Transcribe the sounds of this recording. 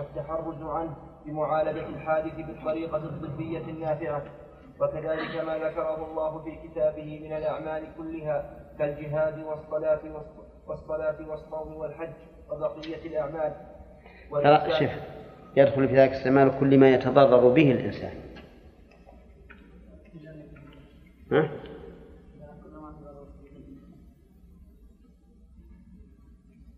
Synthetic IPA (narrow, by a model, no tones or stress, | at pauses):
ʔat̪ːaħɑrˤːʊzʕanh | bɪmʊʕaːlad͡ʒalħaːd̪ɪθɪbɨt̪ˤːɑɾiːqɑd̪ˤːɨbːɪjːanːaːfɪʕa | wakaðaːlɪkamaːðakɑɾˤɑɦʊlˤːɑːɦʊfiːkɪt̪aːbɪhɪmɪnalʔaʕmaːlɪkʊlːɪɦaːkald͡ʒɪɦaːd̪ɪwɑsˤːɑlaːt̪ɪw | wɑsˤːɑlaːt̪ɪwɑsˤːɑwd̪ɪwalħad͡ʒː | wabɑqɪjːalʔaʕmaːl | waɑʃɪf | jad̪xʊlfiːðaːɪkasːamaːlkʊlːmaːjat̪ɑd̪ˤɑrˤːɑɾʊbɪhɪlʔɪ̰nsa̰ːn | ha